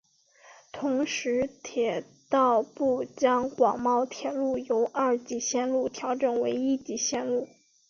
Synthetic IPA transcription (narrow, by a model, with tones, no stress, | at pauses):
t̪ʰʊ˧˥ŋʂɻ̩˧˥t̪ʰjɛ˨˩ | t̪ɑ˥˧ʊpu˥˩t͡ɕjɑ˥ŋkwɑ˨˩ŋmɑ˥˩ʊt̪ʰjɛ˨˩lu˥˩jo˧˥ʊʔɐ˞˥˩t͡ɕi˧˩ɕjɛ˥˧nlu˥˩t̪ʰjɑ˧˥ʊʈ͡ʂɤ˨˩nwe˧˥ɪi˥t͡ɕi˧˥˩ɕjɛ˥˧nlu˥˩